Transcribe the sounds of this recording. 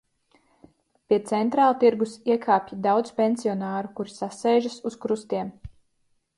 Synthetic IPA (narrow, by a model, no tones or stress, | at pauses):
pʲiɛt̪sɛnt̪ɾaːlˠt̪iɾɡusiɛkʰaːpʲjid̪awd̪z̥pʲenʲsiɔnaːɾukuɾisasɛjʒasuskɾust̪iɛm